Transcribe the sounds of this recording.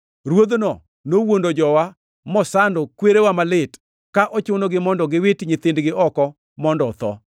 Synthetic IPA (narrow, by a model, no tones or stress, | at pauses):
ɾwod̪nɔ | nowondod͡ʒɔwa | mɔsandɔkweɾewamalɪt | kaʔɔt͡ʃʊnoɡɪmɔndɔɡɪwɪtɲɪt̪ɪndɡɪʔɔkɔ | mɔndɔt̪ɔ̰